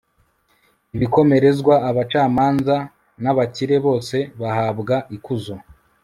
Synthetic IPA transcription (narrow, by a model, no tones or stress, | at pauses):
iβiko̞me̞ɾe̞zɡwaːβat͡ʃaːmaːnza | naβaciɾe̞βo̞ːse̞βahaːbɡaʔikuzo